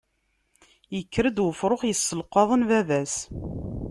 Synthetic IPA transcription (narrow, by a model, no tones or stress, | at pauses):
jəkːɾəd̪wəfɾˤoχjəsːəlqɑðˤənvævæs